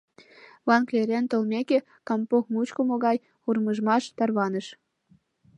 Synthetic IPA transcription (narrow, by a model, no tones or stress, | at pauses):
βɑnkleɾʲent̪olmʲeke | kɑmpokmut͡ɕkomoɣɑj | urməʒmɑʃt̪ɑrβɑnəʃ